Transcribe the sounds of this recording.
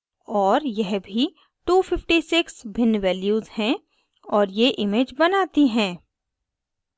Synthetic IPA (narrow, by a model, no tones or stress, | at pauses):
ɔːɾjɛɦbʱi | ʈuːfɪfʈisɪksbʱɪnʋɛːljuːzhɛ̃ | ɔːɾjeʔɪmeːd͡ʒbɐnaːt̪iɦɛ̃ː